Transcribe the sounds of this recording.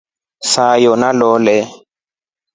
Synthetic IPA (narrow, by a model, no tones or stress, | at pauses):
sajɔnalɔlɛ